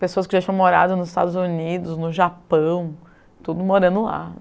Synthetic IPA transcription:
pesoɐskɪʒat͡ʃiɲ̃ɐ̃moɾa̰d̪ʊnʊzɪst̪a̰d̪ʊzunid̪ʊznʊʒapɐ̃w̃ | t̪ud̪ʊmoɾɐ̃nd̪ʊla̰

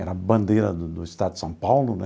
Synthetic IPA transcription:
ɛɾɐbɐ̃nd̪ejɾɐd̪ud̪uiʃt̪ad̪ud̪sɐ̃w̃pawlˠunɛ

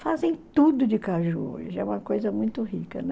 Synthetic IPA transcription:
fazẽj̃t̪ud̪ʊd͡ʒɪkaʒuo̰ʒɪɛũmɐkojzɐmũj̃t̪ʊɦikɐn

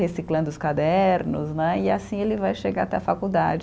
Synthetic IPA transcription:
hesiklɐ̃nd̪ʊʊskad̪ɛɾnʊznɛɪasĩelɪvajʃeɡaɾat̪ɛfakud̪a̰d͡ʒ

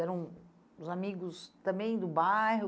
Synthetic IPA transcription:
ɛɾɐ̃w̃ | ʊzamiɡʊst̪ɐ̃mbẽj̃d̪ʊbajɦʊ

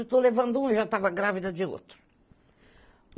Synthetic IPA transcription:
t̪olevɐ̃nd̪ʊũiʒat̪avɐɡɾavid̪ɐd͡ʒ̪ɪo̰t̪ɾʊ

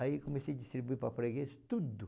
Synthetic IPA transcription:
aikomesejɐd͡ʒist̪ɾibuipɾɐpɾeɡest̪ud̪ʊ

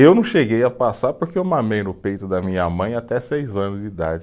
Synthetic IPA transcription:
ewnɐ̃w̃ʃeɡejɐpasaɾpʊɾkeewmɐmejnʊpejt̪ʊd̪ɐmĩɲɐmɐ̃j̃at̪ɛsejzɐ̃nʊzd͡ʒɪid̪a̰d͡ʒɪ

